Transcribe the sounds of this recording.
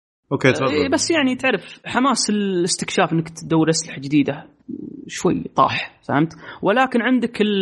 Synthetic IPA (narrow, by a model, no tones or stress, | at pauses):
ʔokeːt̪ibasːjaʕnit̪ɪʕɾɪfħamaːsɪlɪst̪ɪkʃaːfənːakt̪d̪awːɾʔaslaħad͡ʒɪd̪iːd̪a | ʃwa̰jːt̪ˤɑ̰ːħfa̰hamt̪wɪlaːkɪnʕɪnd̪akɪl